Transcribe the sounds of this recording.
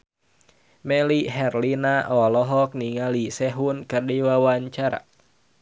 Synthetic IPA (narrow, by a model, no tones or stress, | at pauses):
mɛliɦɛrlinaʔɔlɔɦɔk̚niŋalisɛɦunkɨrdiwawaɲt͡ʃaɾa̰